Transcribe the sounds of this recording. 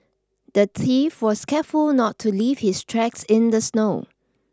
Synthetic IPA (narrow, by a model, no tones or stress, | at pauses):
d̥ətʰifwɔskʰɛfulˠnɔtʰːuliv̥hɪstʰɹɛksɪ̃ndəsnoʊ